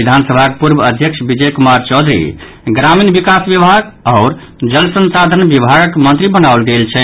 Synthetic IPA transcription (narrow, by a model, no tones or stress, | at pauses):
id̪ʱansəbʱakepuɾbəd̪ʱjəkʃʰbid͡ʒɛjkumaɾt͡ʃɔd̪ʱɾḭ | ɡɾaminbikasbjəbʱaɡaʊɾ | d͡ʒəlsənsad̪ʱənbibʱaɡəkmənt̪ɾibənaʊlɡelt͡ʃʰɛ